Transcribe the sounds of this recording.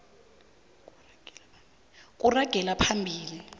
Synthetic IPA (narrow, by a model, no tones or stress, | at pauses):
kʼuraɡ̥ʱɛlapʰambʱiːli